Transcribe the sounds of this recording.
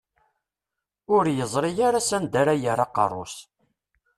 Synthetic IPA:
ʊɾjəzˤɾˤijaɾasænd̪aɾajəɾɑqɑ̰rˤo̰s

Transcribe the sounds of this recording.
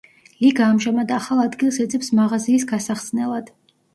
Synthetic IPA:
liɡaːmʒamad̪aχalˠad̪ɡilˠsɛt̪sʼɛpsmaʁaziːsɡasaχsnɛlˠad̪̥

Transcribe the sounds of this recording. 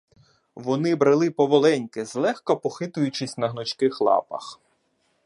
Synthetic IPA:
ʋɔnɪbɾɐlˠɪpɔʋɔlˠɛnʲkɪzlˠɛxkɔpɔxɪt̪ʊjʊt͡ʃɪsʲnɐɦnɔt͡ʃkɪxlˠɑ̰pɐ̰x

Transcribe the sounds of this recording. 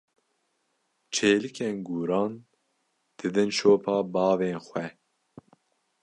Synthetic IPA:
t͡ʃʰeːlɨkʰeːnɡuːɾɑːn | d̪̥ɨd̪ɨnʃoːpʰɑːbɑːveːnxwɛ

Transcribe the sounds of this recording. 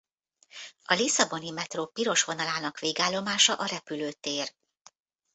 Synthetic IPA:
ɒlisɒbo̞nimɛt̪roːpiɾo̞ʃʋo̞nɒlaːnɒkʋeːɡaːlːo̞maːʃɒʔɒɾɛpyløːt̪eːr

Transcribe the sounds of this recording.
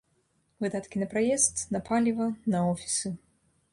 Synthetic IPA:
vɨd̪at̪kʲinɐpɾajɛst̪nɐpʰalʲivɐnɐɔfʲi̥sɨ

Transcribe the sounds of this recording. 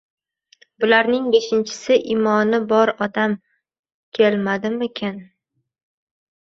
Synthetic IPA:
bʊlaɾnɪŋbe̞ʃɪnt͡ʃʰɪ̥sɪʔɪmɒnɪbɒɾɒd̪am | kʲʰelmad̪ɪmɪkʲʰan

